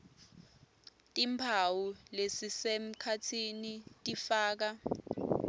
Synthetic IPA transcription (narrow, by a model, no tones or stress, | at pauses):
tʼimpʰawulesisem̩kʰatʰinitʼifaːk̬a